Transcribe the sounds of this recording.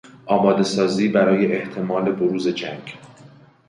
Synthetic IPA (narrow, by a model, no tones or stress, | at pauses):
ʔɒːbɒːd̪e̞sɒːziːbæɾɒːje̞ʔeht̪ʰe̞mɒːle̞boɾuːze̞d͡ʒæŋɡ